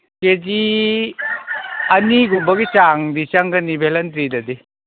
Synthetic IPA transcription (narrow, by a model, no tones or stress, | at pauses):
ked͡ʒi | ɐniɡumbɐɡit͡ʃaŋdit͡ʃɐŋɡɐnibʱelɐntɾidɐdi